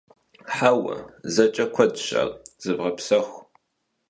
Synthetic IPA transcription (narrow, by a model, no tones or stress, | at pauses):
ħawɐ̰zɐt͡ʃʼɐkʷʰɐdɕɐ̰rz̥ɨvʁɐpsɐxʷ